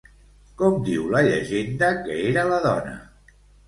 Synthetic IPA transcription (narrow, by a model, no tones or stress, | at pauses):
kɔmd̪iwləʎə̰ʒend̪əkəeɾələðɔnə̰